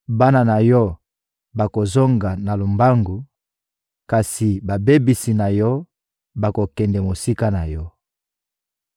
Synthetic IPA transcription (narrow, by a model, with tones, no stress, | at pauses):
ba˦na˨na˨jɔ˦ | ba˨ko˨zo˦ŋɡa˨na˨lo˨mba˦ŋɡu˨ | ka˨si˨ba˨be˦bi˨si˨na˨jɔ˦ | ba˨ko˨kɛ˨ndɛ˨mo˨si˦ka˦na˨jɔ˦